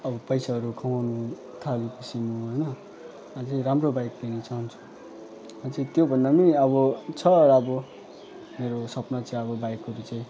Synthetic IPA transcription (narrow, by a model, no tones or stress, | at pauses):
ʌbʌpʌjsaʌɾukʰʌwanu | t̪ʰalipʌsimuɦʌjnʌ | ʌt͡sʌĩɾamrobajk̚d̪inʌt͡saɦunt͡sʰu̥ | ʌt͡sʌ̃t̪jobʱʌnd̪amiʌbʌt͡sʰʌɾʌbʌ | meɾosʌpnʌt͡saĩʌbʌbajkɦʌɾut͡sãĩ